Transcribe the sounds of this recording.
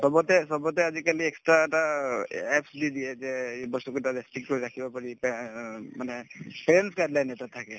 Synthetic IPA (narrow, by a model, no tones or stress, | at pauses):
sɔbɔtɛsɔbɔtɛazikaliɛkstɹaɛtaɛpsdid̪iɛzɛbɔsukɔtadɛstik̚kɔɹiɹakʰibapaɹip | manɛpɛɹensɡajdlajnɛtat̪ʰakɛ